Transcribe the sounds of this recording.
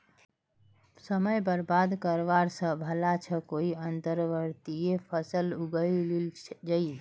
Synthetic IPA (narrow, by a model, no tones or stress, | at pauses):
səməjbəɾbad̪kəɾʋaɾsə̃bʱəlat͡ʃʰəkoiənt̪əɾʋəɾt̪ijepʰəsəluɡəlld͡ʒəi